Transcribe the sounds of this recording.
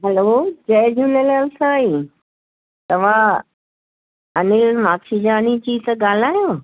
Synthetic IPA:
ɦɛloːd͡ʑɐjd͡ʑʱuːnelːlsai | t̪ɐʋ̤ã | ɐnɪɾmaːtʰid͡ʑaːnid͡ʑiːt̪ɐɡaːl̤aːjoː

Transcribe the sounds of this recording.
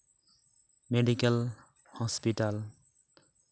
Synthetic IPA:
meɖikɛl | hɔspiʈal

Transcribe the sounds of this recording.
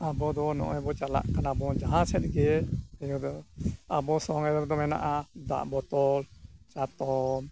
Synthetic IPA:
abɔd̪ɔnɔ̰ʔɔjbɔt͡ʃala̰ʔkanabɔd͡ʒaɦãt͡ʃʰɛt̪̚ɡɛɛjɔd̪ɔabɔsɔŋɛd̪ɛɾd̪ɔmɛna̰ʔad̪a̰ʔbɔt̪ɔlt͡ʃat̪ɔm

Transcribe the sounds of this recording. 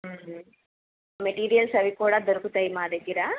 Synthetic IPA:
mɛʈiːɾijɐlsɐʋikːoːɽad̪ɔɾɯkɯt̪ɐjmaːd̪ɐkːiɾaː

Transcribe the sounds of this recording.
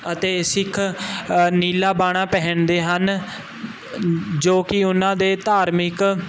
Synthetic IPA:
ət̪eːsɪkʰ | niːlaːbaːɽ̃ãːpɛɦəɳd̪eːɦən | d͡ʒoːkɪʊnãːd̪eːt̪aːɾmɪk

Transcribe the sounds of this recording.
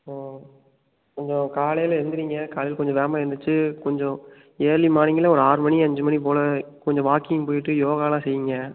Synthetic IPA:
aː | kɔɲd͡ʒɔ̃kaːlɐjɪlɛɾɯnd̪ɯɾiːŋɡɐkaːlɐjɪlkɔɲd͡ʒɔ̃ʋeːmaːɪɛɾɯnd̪ɯt͡ʃːɯkɔɲd͡ʒɔ̃ | eːɭimaːnɪŋɡɪlɐɔɾɯaːɾɯmɐɳiɐɲd͡ʒɯmɐɳipoːlɐkɔɲd͡ʒɔ̃ʋaːkɪjŋpoːjɪʈːɯjoːɣaːlãːsɛjːɪŋɡɐ

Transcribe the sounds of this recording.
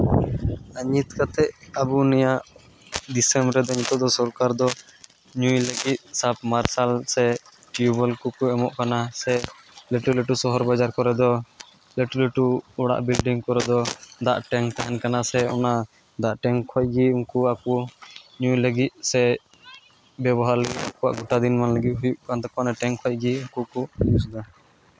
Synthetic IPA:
aɲit̪̚kat̪ɛʔabunɛjaʔ | d̪isɛmbɾɛd̪ɔɲit̪ɔd̪ɔsɔɾkaɾd̪ɔ | ɲujləɡit̪̚sap̚maɾsalsɛ | ʈjubəlkukuɛmɔʔkanasɛ | lɛʈulɛʈusɔɦɔɾbad͡ʒaɾkɔɾɛd̪ɔ | lɛʈuleʈuɔɽa̰ʔbilɖiŋkɔɾɛd̪ɔd̪a̰ʔʈɛŋt̪aɦɛnkanasɛɔna | d̪aʔʈɛŋkʰɔc̚ˀɡiunkuakuɲujləɡit̪̚sɛ | bjɛbɔɦaɾləɡit̪a̰kɔwa̰ʔɡuʈad̪inmanləɡit̪̚ɦujuʔkant̪ɔkɔnaʈɛŋkʰɔc̚ɡiuŋkukuusd̪a

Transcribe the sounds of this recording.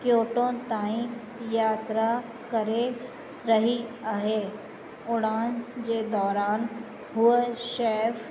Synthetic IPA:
kjoːʈõt̪aːĩ | jaːt̪ɾa | kɐɾe | ɾɐɦiaɦe | ʊɽaːnd͡ʒed̪ɔːɾaːn | ɦʊeʃeːf

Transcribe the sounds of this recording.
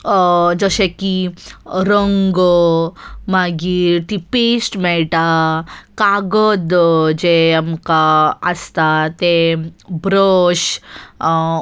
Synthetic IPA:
d͡zəɕeki | ɾəŋɡo | maɡiːɾt̪ipesʈmɛɭʈakaɡəd̪d͡ʑeamkaəst̪at̪ebʱɾəɕ

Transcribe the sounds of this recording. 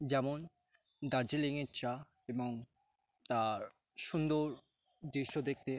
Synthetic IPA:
d͡ʑɛmon | d̪aɾd͡ʑeleŋet͡ɕʰa | eboŋ | t̪aɾ | ʃund̪oɾ | d̪ɾiʃod̪ek̚t̪e

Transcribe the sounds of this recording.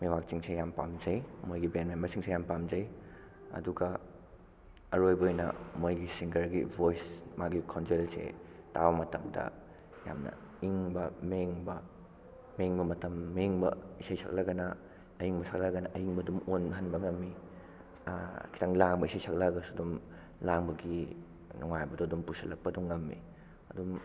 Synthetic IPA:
mewak̚t͡ʃiŋsejampamd͡ʒɐjmojɡibenmenmbɐɾsiŋsejampamzɐj | ɐ̰duɡɐ | ɐɾojbojnɐ̰mojɡisiŋɡɐɾɡḭbʱojsmaɡikʰawnselsḛtabɐmɐtɐmdɐ̰ | ja̰mnɐ̰ | iŋbɐmeŋbɐ | meŋbɐmɐtɐmːeŋbɐ̰isajsʰa̰k̚lɐɡɐnɐ | ɐjiŋbɐsʰak̚lɐɡɐnɐʔɐjiŋbɐdumonbɐɦɐnbɐŋɐmːi | kʰi̥tʰɐŋlaŋbɐisajsʰak̚laɡɐsuɐdum | laŋbɐɡi | nuŋajbɐduɐdumpusɐ̰lɐk̚pɐduŋːɐmːi | ɐdum

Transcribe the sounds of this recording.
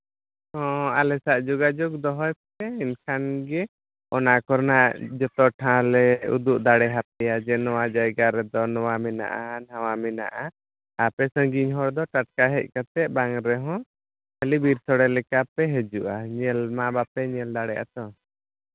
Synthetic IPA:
hɔ̃alɛsaʔd͡ʒuɡad͡ʒuɡ̚d̪ɔɦɔjp̚ | ɛinkʰanɡɛ | ɔnakɔɾnaʔd͡ʒɔt̪ɔʈʰãlɛṵd̪uʔd̪aɽɛɦap̚ɛjad͡ʒɛnɔwad͡ʒajɡaɾɛd̪ɔnɔwamɛna̰ʔanawamɛna̰ʔa | apɛsə̃ŋɡiɲɦɔɽd̪ɔʈaʈ̚kaɦɛc̚ˀkat̪ɛʔ̚baŋɾɛɦɔ̃ | kʰəlibiɾt̪ʰɔɽɛlɛkapɛɦɛd͡ʒuʔaɲɛlmabapɛɲɛld̪aɽɛjʔa̰t̪ɔ

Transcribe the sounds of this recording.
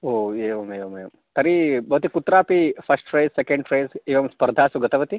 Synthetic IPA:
oːeːʋɐmeːʋɐmeːʋɐm | t̪ɐɾibɐɦut̪ikut̪ɾaːpipʰɐsʈfɾeːzsekẽɳɖʈɾeːzeːʋɐmspɐɾd̪ʱaːsuɡɐt̪ɐʋɐt̪i

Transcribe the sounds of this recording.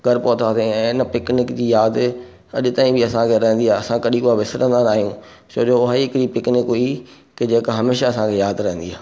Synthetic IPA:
ɡʱɐɾpɔːt̪ʰaːt̪eɛ̃ɪnəpɪknɪkd͡ʑiːjaːd̪ | ɐʄʊt̪aːĩbʱɪɐsãkʰeɾɐɦə̃nd̪iaɦeɐsãkɐɗĩkuaʋɪsɪɾə̃nd̪anaːɦijũ | t͡ɕoːd͡ʑoʊɦaiɪkɾipɪknɪkɦoi | kɪd͡ʑeːkaɦɐmeːʃaɐsãkʰejaːd̪ɾɐɦə̃nd̪iaː

